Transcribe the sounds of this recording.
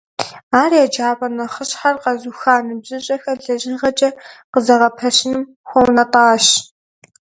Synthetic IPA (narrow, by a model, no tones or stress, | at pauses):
aːrijaːd͡ʒaːpʼɐnɐχəɕħarqɐzuxaːnɨbzɨɕʼɐxɐɮɐʒɪnʁɐt͡ʃʼɐqəzɐʁɐpʰɐɕɪnɨm | xʷɔwnɐtʼɑːɕ